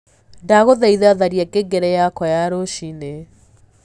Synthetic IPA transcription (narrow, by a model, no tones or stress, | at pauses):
ndaɣoðɛiðɛaðaɾiakeɡɛɾɛjakɔjaɾoʃine